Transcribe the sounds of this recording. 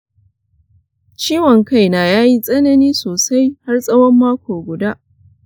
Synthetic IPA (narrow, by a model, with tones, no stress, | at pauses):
t͡ʃiː˦wɔ˨ŋka˦˨jnaː˨jaː˦ji˦sʼɐ˦nɐ˦niː˦soː˨sa˦jha˦rsʼɐ˦wɔ˦mːaː˦kʷʰoː˨ɡʷʊ˨daː˦ʔ